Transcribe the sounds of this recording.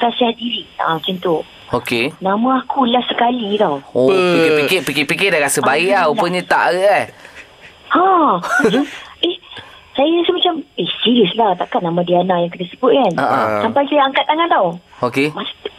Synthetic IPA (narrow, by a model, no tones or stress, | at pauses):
ɾasiadiɾiã̰t͡ʃənt̪o | okenãmãakʰulahsəkalit̪awopikpikɪpikipikɪdaɾasəbaiʔlaupəɲə̃t̪a̰ʔəʔah | ãat͡ʃaʔeh | sajaasumat͡ʃamehsiɾiəslaht̪a̰ʔkaʔnamãdianaʔjaŋkənasəbʊt̪̚kanaʔasampajsajaaŋkat̪ːaŋant̪awokemas